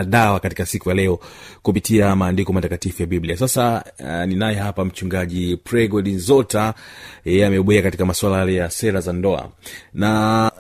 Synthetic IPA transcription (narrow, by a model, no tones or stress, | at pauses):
ɗawakatikasikujalɛɔkupitiamaːndikɔmatakatifujaɓibliasasaninajɛɦapam̩t͡ʃuŋɡaʄipɾɛɡɔɗinzɔtajɛjɛamɛɓuɛakatikamaswalajalɛjasɛɾazandɔa̰na